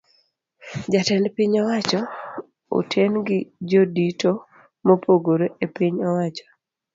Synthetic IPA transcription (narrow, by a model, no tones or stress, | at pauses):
d͡ʒatɛnpiɲɔwat͡ʃɔ | o̰tʰenɡɪd͡ʒodito | mopʰoɡoɾoʔepiɲɔwat͡ʃɔ̥